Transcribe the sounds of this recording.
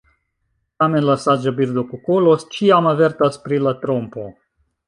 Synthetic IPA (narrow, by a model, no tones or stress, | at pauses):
t̪amenlasad͡ʒabiɾd̪okukolost͡ʃiamaveɾt̪aspɾilat̪ɾompo